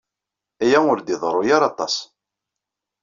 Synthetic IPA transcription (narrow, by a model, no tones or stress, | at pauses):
æjæʊɾd̪ɪðˤɾˤojaɾˤɑt̪ˤɑs